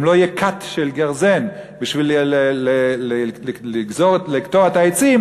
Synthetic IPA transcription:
mlojekʰat̪ʃelɡaʁzenbiʃvilelelliɡzoʁlikt̪oet̪aet͡sim

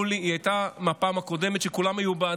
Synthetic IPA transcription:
liiajt̪amapaːmako̞d̪e̞met̪ʃekulamajuba

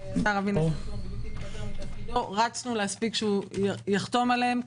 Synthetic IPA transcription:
ʃaʁavin | loʁat͡snuleaspikʃeujaχt̪o̞maleem

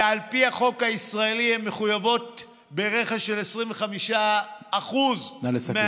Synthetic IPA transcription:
alpihaχo̞khaisʁae̞liemːeχujavo̞t̚ | beʁeχaʃelesʁiɱveχamiʃaːχuzlme

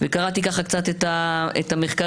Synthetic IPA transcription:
vekaʁat̪ikaχakt͡sat̪et̪aḛt̪ame̞χka

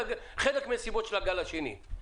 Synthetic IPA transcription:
χedekmesibot̪ʃelaɡalaʃenḭ

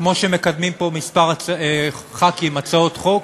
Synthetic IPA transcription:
kmo̞ʃeme̞kad̪mimpo̞mispaʁat͡saeχakimat͡sao̞t̪χo̞k

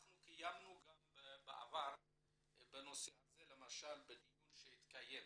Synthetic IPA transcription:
naχnukijamnuɡambebeʔa̰vaɾ | beno̞sehazele̞maʃalbed̪ijunʃeit̪kaje̞m

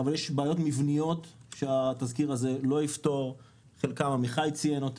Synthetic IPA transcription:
avaljeʃbaːjo̞tmivnijo̞t̪ʃeat̪azkiʁaze̞lo̞ift̪o̞ʁ | χelkamamiχajit͡sijenot̪

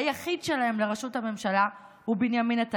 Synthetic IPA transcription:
jaχidʃelae̞mle̞ʁaʃuthame̞mʃala | hubinjaminat̪a

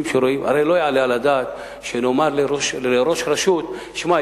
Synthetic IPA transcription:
mʃeɾoimha̰ɾejlojeʕalealad̪aːt̪ | ʃenomaɾleɾoʃleɾo̞ʃɾaʃut̪ | ʃma

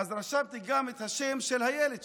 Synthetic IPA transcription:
azɾaʃavt̪iɡamet̪haʃemʃelhajeled̪

